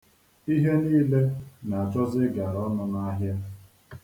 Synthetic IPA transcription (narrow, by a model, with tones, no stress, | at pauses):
i˦ɦe˦niː˦le˦na˨a˨t͡ʃɔ˦zɪ˦ɡa˨ɾɔ˦nʊ˦na˦ɦja˦